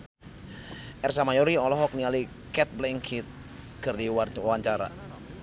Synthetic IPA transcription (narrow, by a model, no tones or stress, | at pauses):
ʔɛrsamajɔɾiɔlɔɦɔk̚niali | kɛt̪̚blɛŋkʰit̪̚ | kərdiwaɲt͡ʃaɾa̰